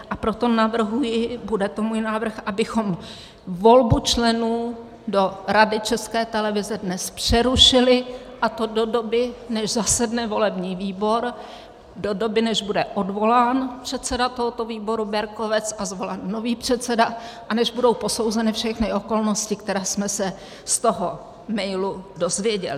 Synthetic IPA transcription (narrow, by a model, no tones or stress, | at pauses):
ʔapɾo̞t̪o̞navr̩ɦujɪbudɛt̪omuːjnaːvr̩xʔabɪxo̞m | vo̞lbut͡ʃlɛnuː | do̞ɾadɪt͡ʃɛskɛːt̪ɛlɛvɪzɛdnɛspr̥ɛɾuʃɪlɪʔat̪o̞do̞do̞bɪnɛʒzasɛdnɛvo̞lɛbɲiːviːbo̞ɾ | do̞do̞bɪnɛʒbudɛʔo̞dvo̞laːnpr̝̥ɛt̪sɛdat̪o̞ɦot̪oviːbo̞ɾubɛɾko̞vɛt͡sazvolɛnːo̞viːpr̝̥ɛt̪t͡sɛdaʔanɛʒbudo̞wpo̞so̞wzɛnɪfʃɛxnɪʔo̞ko̞lno̞scɪkt̪ɛɾaːsmɛsɛ | st̪o̞ɦo | mɛjludo̞zvjɛɟɛ̰lɪ